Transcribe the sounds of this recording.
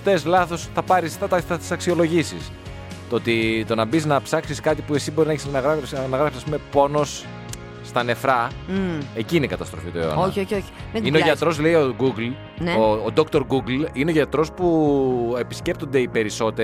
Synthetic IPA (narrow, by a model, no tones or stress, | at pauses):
t̪ezlɐθo̞sθɐpɐɾisθɐt̪ɐθɐt̪i̥sɐksio̞lo̞ʝisis | t̪ot̪it̪o̞nɐbiznɐpsɐksiskɐt̪ipuesibo̞ɾinɐeçsnɐɣɾɐsɐnɐɣɾɐfsisɐspume̞po̞no̞sː | t̪ɐne̞fɾɐ | e̞ciːneikɐt̪ɐst̪ɾofit̪oeo̰noioçoçi̥meineoʝɐt̪ɾo̞zle̞ioɡuɡl | noːd̪o̞kt̪o̞ɾɡuɡlineo̞ʝɐt̪ɾo̞spue̞pi̥sce̞p̚t̪ond̪e̞ipe̞ɾiso̞t̪e